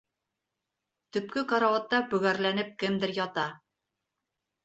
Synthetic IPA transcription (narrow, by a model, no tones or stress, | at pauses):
t̪ɵ̆p̚kɘqɑɾɑwɑt̪ːɑbɵ̆ɡæɾlænɘp̚kɘmd̪ɘɾjɒt̪ɑ